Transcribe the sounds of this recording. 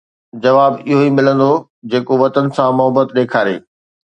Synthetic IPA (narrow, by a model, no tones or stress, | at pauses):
d͡ʑɐʋaːbɪɦoimɪlə̃nd̪o | d͡ʑeːkoʋɐt̪ənɪ̆sãmʊɦəbət̪ɗeːkʰaːɾḛː